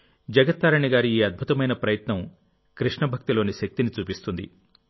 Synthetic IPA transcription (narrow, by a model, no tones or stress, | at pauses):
d͡ʒɐɡɐt̪ːaːɾɐɳiɡaːɾiiːɐd̪̚bʱut̪ɐmɐjnɐpɾɐjɐt̪nɐm | kɾiʂɳɐbʱɐk̚t̪ilo̞ːniʃɐk̚t̪init͡ʃuːpist̪und̪ḭ